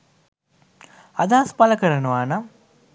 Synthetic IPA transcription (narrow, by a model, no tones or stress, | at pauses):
ɐd̪aːspaləkəɾənəʋaːna